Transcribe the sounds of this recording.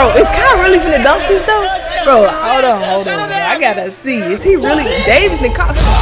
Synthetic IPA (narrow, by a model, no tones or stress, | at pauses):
oʊɨtskʰãɪ̃ndəɹɪlˠifə̃ðɨdʌ̃mkɨzðoʊɹoʊaɪʊɾõʊ̃nɦoʊlˠdɪ̃mjæaɪɡɑt̪̚ðɨtsiɪz̥iɹɪlˠideɪvɨznɨkʰɑs